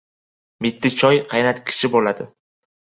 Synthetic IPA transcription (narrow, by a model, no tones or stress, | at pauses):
mɪt̪ːɪt͡ʃʰɒjqʰɑjnat̪kʲʰɪ̥ʃɪbolad̪ɪ